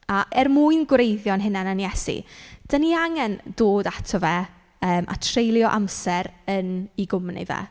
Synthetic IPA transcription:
aʔɛrmuːɨnɡwrejðjɔnɦɪnananjɛsḭd̥əniaŋɛnd̥oːdatʰɔvɛ | əːmʔa̰tʰrejlˠjɔʔamsɛɾəniɡʊmnḭvɛ̰

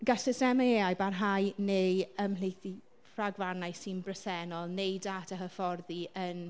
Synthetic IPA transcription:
ɡasəsɛmaeajbarɦajnejəmlejθi | fraɡvanajsɪnbrəsɛnɔlˠnejdatʰaɦəfɔrðiən

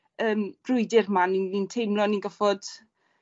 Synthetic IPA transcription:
əːmb̥rʊɨdɪrmaninintʰejmlɔninɡəfɔd̥

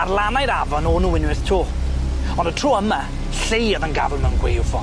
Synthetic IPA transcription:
arlˠanajɾavɔnɔnuːwɪnwɪθtʰuː | ɔndətʰr̥uːəma | ɬejəðənɡa̰vəlˠmənɡwḛjvɔ

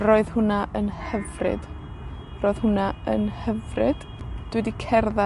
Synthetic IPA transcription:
roːɨðhʊnaʔənhəvrɪ̰d̥ | roːɨð̥hʊnaənhəvrɪ̰d̥ | d̥wɛdikʰɛrða

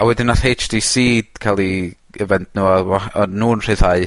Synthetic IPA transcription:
awɛdɪnaθejt͡ʃd̥isiːd̥kʰalˠi | əvɛndnuɔɔɔnːuːnr̥ɨðhaɨ

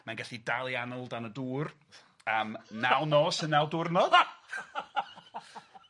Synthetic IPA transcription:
manɡɛɬidalˠianɔlˠdanəduːr | əmnawnɔːsənɛlˠdʊrnɔð

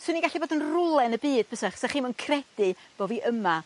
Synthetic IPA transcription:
swɪniɡaɬiboːdənrʊlˠɛnəbiːd̥̚pəsaχsaχiːnmənkʰrɛd̥ɨb̥oːviʔəma

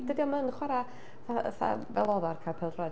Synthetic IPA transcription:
d̥ədiɔmənχwaɾa | va̰θa̰vɛ̰lˠɔðɔrkʰapʰɛlˠdrɔ

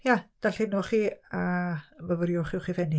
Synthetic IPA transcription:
jad̥alɬɪnoχiːaməvəɾjʊχɪwχivɛni

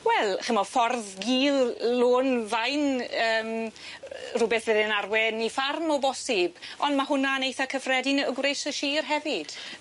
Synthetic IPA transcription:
wɛlˠχəmɔfɔrðɡiːlˠloːnvajnəːm | rʊbɛθvɪðɪnarwɛnifarmɔbɔsɪbɔndmahʊnanejθakʰəfrɛdɪnəɡwrejsəʃiːrɦɛvɪd̥

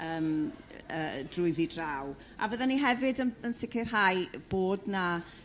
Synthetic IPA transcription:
əːməd̥rʊɨðidraw | a̰vəðaniɦɛvɨdənənsɪkʰɪrɦajb̥oːdna

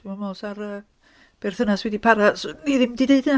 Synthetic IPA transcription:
mamɔsaɾəː | b̥ɛrθənaswɛdipʰaɾasniðɪmdideɨdəna

